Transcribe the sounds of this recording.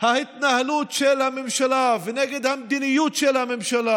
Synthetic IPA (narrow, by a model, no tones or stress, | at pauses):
hahit̪nahlut̪ʃelhamemʃalavɛnɛɡed̪hamd̪inijut̪ʃelhamemʃala